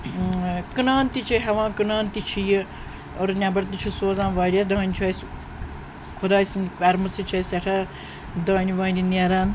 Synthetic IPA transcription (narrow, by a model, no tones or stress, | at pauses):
kɨnaːnt̪it͡ʃʰiɦɐʋãːkɨnaːnt̪it͡ʃʰiji | oɾnʲabɐɾt̪ɨt͡ʃʰusoːzãːnʋaːɾʲɐd̪aːnʲt͡ʃʰɐs | kʰod̪aːsinɐɾmɨsɨt͡ʃʰɐsɐʈʰɐ | d̪aːniʋaːnʲiniaɾaːn